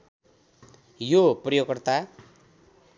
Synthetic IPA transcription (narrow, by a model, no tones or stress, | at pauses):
joprʌjokʌrt̪a